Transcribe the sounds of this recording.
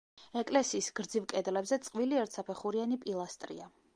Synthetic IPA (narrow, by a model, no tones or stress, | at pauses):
ɛkʼlɛsiːsɡ̥ɾd̪zivkʼɛd̪lɛbzɛt̪sʼqʼviliɛɾt̪ʰsapʰɛχuɾianipʼilˠast̪ʼɾḭa